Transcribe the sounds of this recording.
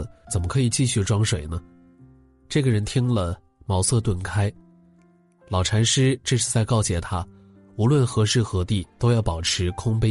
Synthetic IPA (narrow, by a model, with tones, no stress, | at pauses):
t͡sə˨˩nmə˦kʰɤ˧˥i˨˩t͡ɕi˥˧ɕy˥˩ʈ͡ʂwɑ˥ŋʂwe˨˩ɪnə˦ | ʈ͡ʂɤ˥˩ɡə˩ɻə˧˥nt̪ʰi˥ŋlə˨ | mɑ˧˥ʊsɤ˥˧t̪wə˥˩nkʰa˥ɪ | lɑ˨˩ʊʈ͡ʂʰa˧˥nʂɻ̩˥ʈ͡ʂɤ˥˧ʂɻ̩˥˧t͡sa˥˧ɪkɑ˥˩ʊt͡ɕjɛ˨˩t̪ʰa˥ | u˧˥lwə˥˩nxɤ˧˥ʂɻ̩˥˩xɤ˧˥t̪i˥˩t̪o˥ʊjɑ˥˩ʊpɑ˨˩ʊʈ͡ʂʰɻ̩˧˥kʰʊ˥ŋpe˥